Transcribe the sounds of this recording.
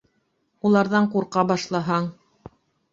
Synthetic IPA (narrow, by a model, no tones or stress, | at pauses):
ulˠɑɾðɑɴquɾqɑbɑʃlˠɑɦɑɴ